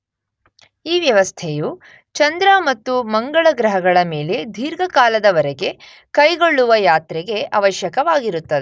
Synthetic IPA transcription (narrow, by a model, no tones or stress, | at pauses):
iːʋjɐʋɐst̪ʰeju | t͡ʃɐnd̪ɾɐmɐt̪ːumɐŋɡɐɭɐɡɾɐɦɐɡɐɭɐmeːle̞d̪ʱiːɾɡɐkaːlɐd̪ɐʋɐɾɛɡe̞ | kɐjɡo̞ɭːuʋɐjaːt̪ɾɛɡe̞ɐʋɐʃjɐkɐʋaːɡiɾut̪ːɐd̪e